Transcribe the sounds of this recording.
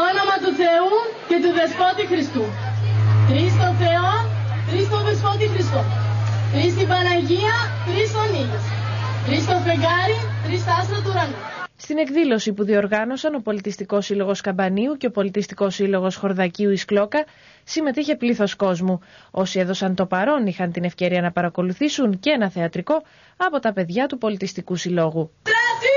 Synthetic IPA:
onomɐt̪uθe̞uce̞t̪uðe̞spot̪ixɾist̪u | t̪ɾist̪oθe̞o | t̪ɾist̪oðespot̪ixɾist̪ot̪ɾist̪ibɐnɐʝiɐt̪ɾisfo̞nist̪ɾist̪ofeɡɐɾit̪ɾist̪ɐst̪ɾɐt̪uɾɐnust̪ine̞kðilo̞sipuðio̞ɾɣɐno̞sɐno̞po̞lit̪ist̪iko̞silo̞ɣo̞skɐmbɐniuce̞opo̞lit̪ist̪iko̞silo̞ɣo̞sxo̞ɾðɐciuisklo̞kɐ | sime̞t̪içe̞pliθo̞sko̞zmuo̞sie̞ðo̞sɐnt̪o̞pɐɾo̞nixɐnt̪ine̞fce̞ɾiɐnɐpɐɾɐko̞luθisunceenɐθe̞ɐt̪ɾiko̞ | ɐpo̞t̪ɐpe̞ðʝɐt̪upo̞lit̪ist̪ikusilo̞ɣu

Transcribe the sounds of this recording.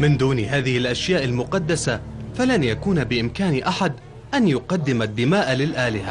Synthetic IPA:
mɪnd̪uːnɦaːðɪhɪlʔaʃjaːʔalmʊqɑd̪ːasafalanjakuːnabɪʔɪmkaːnʔaħad̪ | ʔanjʊqɑd̪ːɪmad̪ːɪmaːʔlɪlʔaːlɪha

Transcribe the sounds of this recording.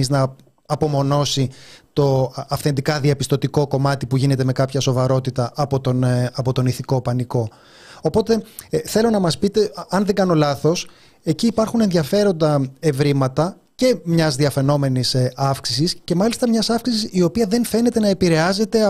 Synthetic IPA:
iznɐ | ɐpo̞mo̞no̞sit̪o̞ɐfθe̞nd̪ikɐðiɐpist̪o̞t̪iko̞ko̞mɐt̪ipuʝine̞t̪e̞me̞kɐpçɐso̞vɐɾo̞t̪it̪ɐʔɐpo̞t̪onɐpo̞t̪o̞niθiko̞pɐniko̞ | opo̞t̪e̞θe̞lo̞nɐmɐspit̪e̞ɐnðe̞ŋɡɐno̞lɐθo̞s | e̞ciːpɐɾxune̞nðʝɐfe̞ɾo̞nd̪ɐe̞vɾimɐt̪ɐ | ce̞mɲɐzðiɐfe̞no̞me̞nisɐfksisisce̞mɐlist̪ɐmɲɐsɐfksisisio̞piɐðe̞nfe̞ne̞t̪e̞nɐe̞piɾe̞ɐze̞t̪e̞

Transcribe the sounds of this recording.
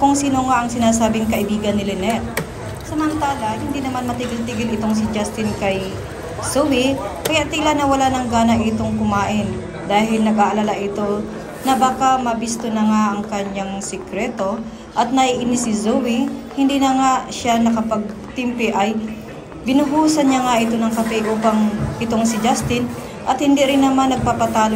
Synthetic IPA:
kʊŋsiːnoŋaʔɐŋsɪnaːsaːbɪŋkɐʔɪbiːɡɐnːɪlɛnɛt̪̚ | sɐmɐnt̪aːlɐhɪnd̪inɐmanmɐt̪ɪɡɪlt̪ɪɡɪlɪt̪o̞ŋsɪd͡ʒast̪ɪnkɐj | sowɪkɐjaʔt̪ɪlanɐwɐlanɐŋɡaːnɐʔɪt̪o̞ŋkʊmaːʔɪn | d̪aːɦɪlnɐɡʔaʔɐlalaʔɪt̪o̞ | nɐbaːkamɐbist̪onɐŋaʔɐŋkɐɲaŋsɛkɾɛːt̪o̞ | ʔɐt̪̚nɐʔiʔɪnɪsɪzowɪhɪnd̪inɐŋaʃanɐkɐpɐɡ̚ | t̪ɪmpɛʔɐj | bɪnʊɦuːsɐnɲaŋaʔɪt̪o̞nɐŋkɐpɛʔuːpɐŋʔɪt̪oŋsɪd͡ʒast̪ɪn | ʔɐt̪hɪnd̪iɾɪnːɐmanːɐɡ̚papɐt̪aːlo

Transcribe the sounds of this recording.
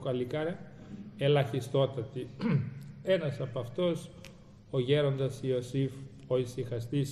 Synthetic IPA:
kɐlikɐɾɐ | e̞lɐçist̪o̞t̪ɐt̪i | e̞nɐsɐpɐft̪o̞s | o̞ʝe̞ɾo̞nd̪ɐsio̞sif | o̞isixɐst̪is

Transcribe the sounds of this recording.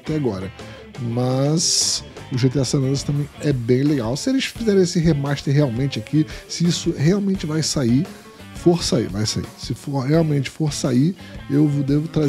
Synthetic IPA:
t̪ɛaɡɔɾɐ | mɐzʊʒet̪ɛasɐnɐ̃sɐ̥t̪ɐ̃mẽj̃ɛbẽj̃leɡawsɪelɪʃfizɛɾẽesɪɦemaʃt̪eɾɦeawmẽnt͡ʃɪakisɪisʊheawmẽnt͡ʃɪvajsai | foɾsaḭva̰jsa̰ḭsɪfoɾheawmẽnt͡ʃɪ̥foɾsaiewvʊd̪evʊt̪ɾa

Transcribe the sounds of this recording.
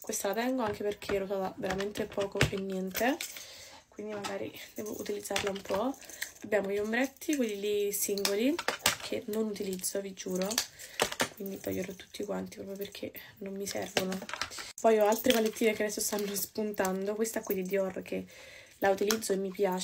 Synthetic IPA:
kwest̪alat̪ɛŋɡoaŋk̟eperkʰelosɔt̪aveɾament̪epɔːkoʔenːjɛnt̪e | kwind̪imaɡaːɾḭd̪̥ɛvo̰ʔṵt̪ilid̪zːarlaumpʰɔabːjaːmoʎombɾɛt̪ʰːikwelːilisiŋɡolikʰenonut̪ilid̪zːovid͡ʒuːɾo | kwind̪it̪ɔ̰jːoɾet̪ːu̥t̪ːikwant̪ipɾɔːpjoperk̟ʰenomːisɛ̰rvonopɔjɔalt̪ɾevalːet̪ːiːnekead̪ɛsːost̪anːospunt̪and̪okwest̪aɛkːwid̪d̪id̪jɔrkʰe | lʔaut̪ilid̪zːoemːipjaːt͡ʃ

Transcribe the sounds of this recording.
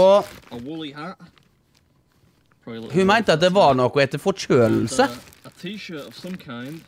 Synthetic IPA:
ɔəwʊlˠihat | ɹ̥ɪhʉmæɪnt̪əɑt̪̚d̪ɛʋɑɾɳɔkːɔɛt̪ːəfɔt͡ʃøːll̩sə | ətʰiʃəˑ˞təv̥sʌ̃mkʰãɪ̃nd̥

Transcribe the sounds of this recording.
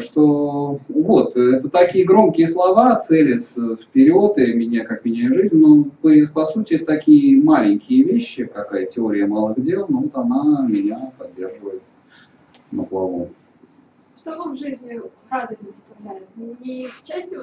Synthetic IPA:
ʂt̪o | vo̞t̪ɛt̪ət̪ɐkʲijəɡɾomkʲɪjəslˠɐvat̪sɛlʲɪt̪fpʲɪɾʲo̞t̪ɨmʲɪnʲakakmʲɪnʲaɪʐɨzʲnʲnopɨpɐsutʲɪɛt̪ət̪ɐkʲijəmalʲɪnʲkʲɪjəvʲeɕːɪkɐkajətʲɪo̞ɾʲɪjəmalˠɨɣdʲe̞lˠnovot̪ɐnamʲɪnʲapɐdʲːe̞rʐɨvəjɪt̪ | nəplˠɐvo̰m | ʂt̪ovɨvʐɨzʲnʲɪ | ɾavd̪əsʲnʲəstɐvlʲælɪt̪ift͡ɕæsʲtʲɪ

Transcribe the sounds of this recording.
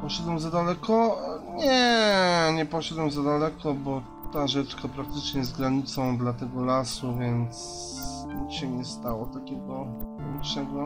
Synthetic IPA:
pɔɕad̪wɛmzad̪alɛkʰɔɲɛ | ɲɛpɔʃad̪wɛmzad̪alɛkʰɔbɔ | t̪aʐɛt͡ʂkapɾak̚t̪ɘt͡ʂɲɛjɛst̪ɡɾaɲit̪sɔ̃w̃d̪lat̪ɛɡɔlasuvʲjɛnt̪s | uɕɛɲɛst̪awɔt̪akʲɛɡɔ | iʂɛɡɔ

